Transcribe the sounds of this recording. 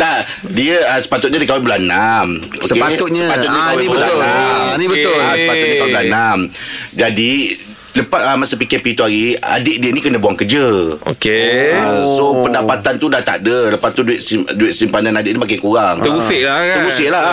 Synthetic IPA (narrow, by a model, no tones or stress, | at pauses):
t̪aʔ | diəəsə̥pat̪ʊt̪̚ɲadəkawɪbəlanamosəkpat̪ʊt̪̚ɲəpat̪ʊt̪̚ɲãawenĩbəaanibət̪ʊlsə̥pat̪ʊt̪̚dəkabəlanamd͡ʒadi | ləpat̪̚əmasəpikɛpit̪uaɾia̰deʔ̚diənikənãbuaŋkəd͡ʒəo̰keəsopəndapat̪ant̪udaht̪a̰ʔdələpast̪uduɪʔ̪simduɪʔ̪̚simpananadɪʔnimakakuɾaŋt̪əɡusɪʔlaəɡusɪʔla